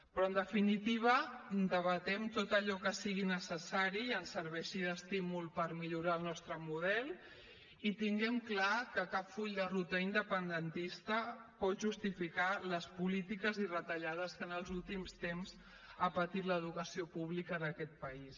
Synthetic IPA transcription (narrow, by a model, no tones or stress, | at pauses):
pɾɔənd̪əfinit̪iβ̞əd̪əβət̪ɛmt̪ot̪əʎɔkəsiɣinəsəsaɾiːənsəɾβɛʃiðəst̪imulˠpəɾmiʎuɾaəlˠnɔst̪ɾəmuð̞ɛlˠ | it̪iŋɡɛmklakəkapfuʎd̪ərut̪əind̪əpənd̪ənt̪ist̪əpɔt̪ʒust̪ifikaləspulit̪ikəzirət̪əʎað̞əskənəlˠzulˠt̪imst̪emz | apət̪it̪ləðukəsiopuβlikəðəkɛt̪̚pəis